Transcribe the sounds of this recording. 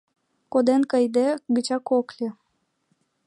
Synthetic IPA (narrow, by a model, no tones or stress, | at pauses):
kod̪enkəjd̪eɡət͡ɕɑkoklʲe